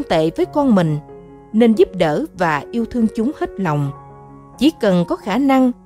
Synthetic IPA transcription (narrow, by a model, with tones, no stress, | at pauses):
ŋt̪ḛ˧˨vəː˨˦jkɔ˧nmï˨˩ŋ̟ | ne˧nzu˦˥p̚ɗəː˧˩vaː˨˩ʔi˧əwt̪ʰɨ˧əŋt͡ɕʊ˨˦ŋ͡mhe˦˥t̚la˨˩wŋ͡m | t͡ɕi˧˩˦kə˨˩nkɔ˨˦xaː˧˩na˧ŋ